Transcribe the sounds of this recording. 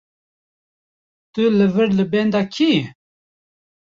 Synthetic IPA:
t̪ɨlɨvɨɾlɨbɛnd̪ɑːkʰi

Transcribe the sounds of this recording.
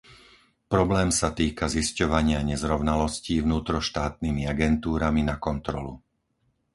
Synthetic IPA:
pɾɔblɛːmsat̪iːkaziscɔʋaɲɪaɲɛzɾɔʊnalɔsciːvnuːt̪ɾɔʃt̪aːt̪nimiaɡɛnt̪uːɾaminakɔnt̪ɾɔlu

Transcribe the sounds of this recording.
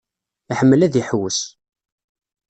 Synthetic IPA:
iħəmːəlæðjəħwəs

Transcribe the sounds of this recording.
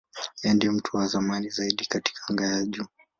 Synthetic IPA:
jɛndɛm̩tʰuwazamanizaiɗikati̥kʰaŋɡajaʄuː

